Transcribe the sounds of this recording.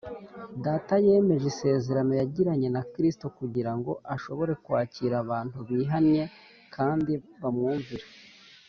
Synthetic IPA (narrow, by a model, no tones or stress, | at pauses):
daːtaje̞ːme̞ʒise̞ːze̞ɾano̞jaɟiɾaɲe̞nakɾistokuɟiɾaŋɡo̞ʔaʃo̞βo̞ɾe̞kwaːciɾaβaːn̥uβiːɦanɲe̞ | kʰaːndiβamŋuːɱviɾa